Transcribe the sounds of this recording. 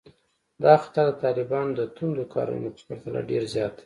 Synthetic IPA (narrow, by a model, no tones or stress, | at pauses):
d̪ɑxḁt̪aɾd̪ət̪ɑlɪbɑnod̪ət̪und̪okʰɑ̰ɾṵnopə̥pəɾt̪ala̰ɖeɾzjɑt̪̚d̪e̥